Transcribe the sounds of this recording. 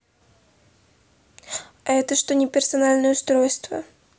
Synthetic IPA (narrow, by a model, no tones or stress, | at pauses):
aɛt̪əʂt̪onʲɪpʲɪrsɐnalʲnəjəst̪ɾojst̪və̰